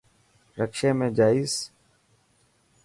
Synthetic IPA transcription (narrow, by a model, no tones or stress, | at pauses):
ɾəkʃẽːmẽːd͡ʒaːiːz